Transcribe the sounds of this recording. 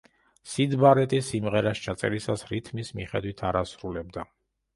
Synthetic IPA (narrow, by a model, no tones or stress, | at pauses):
sid̪baɾɛt̪ʼisimʁɛɾast͡ʃʰat̪sʼɛ̰ɾisasɾit̪ʰmismiχɛd̪wit̪ʰaɾasɾulɛb̚d̪a